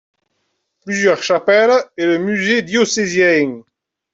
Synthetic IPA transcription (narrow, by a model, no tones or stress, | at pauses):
plyzjœʁʃapɛlɛləmyzed̪josezjɛŋ